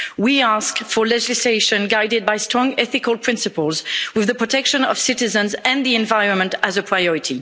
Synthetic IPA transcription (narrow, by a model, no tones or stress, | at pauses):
wiaskfə˞lɛd͡ʒɪsleɪʃɨ̃nɡaɪdɪd̚baɪstɹ̥ɔ̃ŋɛθɪkəlˠpʰɹ̥ɪ̃nsɨpəlˠzwɪðəpɹ̥ətʰɛkʃə̃nʌ̰v̥sɪtɪzə̃nzɨ̃nðiɛ̃nvaɪɹə̃nmə̃ntəzəpʰɹ̥ajɔɹɪtʰi